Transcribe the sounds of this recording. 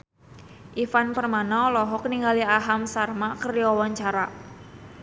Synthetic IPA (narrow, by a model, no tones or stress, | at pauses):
ʔifanpərmanalɔɦɔkniŋɡaliaɦamsarmakərjɔwaɲt͡ʃaɾa